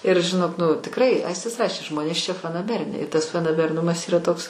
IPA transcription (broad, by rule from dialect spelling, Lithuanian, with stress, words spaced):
ɪr ʒʲɪˈnoːk nʊ tʲɪkˈrɐɪ ˈɐɪsʲtʲɪs ˈrɑːʃʲeː ˈʒmoːnʲeːs t͡ʃʲɛ fɐnɐˈbʲæːrʲɪnʲɛɪ ɪ tɐs fɐnɐbʲɛrˈnʊmɐs ˈiːrɐ ˈtoːks